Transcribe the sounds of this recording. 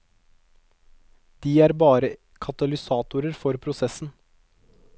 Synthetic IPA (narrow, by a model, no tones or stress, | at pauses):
d̪̥iːæːɾbɑːɾə | kʰɑt̪ɑlɪsɑːt̪ʊɾəɾfɔɾpʰɾʊsɛsn̩